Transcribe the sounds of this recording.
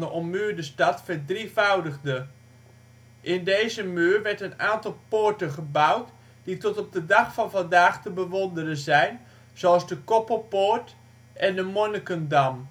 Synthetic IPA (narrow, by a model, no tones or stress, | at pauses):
dəʔɔmmyːɹdəstɑtfəɹdrivawdəɣdə | ʔɪndejzəmyːrʋɛɹtənaːntɑlˠpoɹtənχəbawt | d̥itɔtɔp̚dədɑχfɑnvɑndaːχtəbəʋondərəzɛjn | z̥oɑlˠzdəkɔpəpoɹt | ʔɛndəmonəkəndɑm